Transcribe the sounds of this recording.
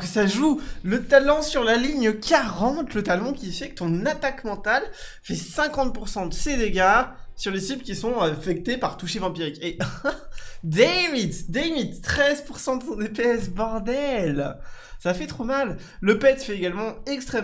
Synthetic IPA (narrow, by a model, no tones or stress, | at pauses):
kəsaʒulət̪alɔ̃syʁlaliɲəkaʁɑ̃t̪lət̪alɔ̃kʲifɛkə̥t̪ɔ̃nat̪akmɑ̃t̪alfɛsɛ̃kɑ̃t̪̚puʁsɑ̃d̪əsed̪eɡasyʁlesiblkʲisɔ̃afɛk̚t̪epaʁt̪uʃevɑ̃piʁike | d̪evid̪d̪amid̪t̪χɛzpuʁsɑ̃d̪əsɔ̃d̪epeɛsbɔʁd̪ɛlsafɛt̪χomalː | əpɛt̪fɛeɡalmɑ̃ɛkst̪χɛ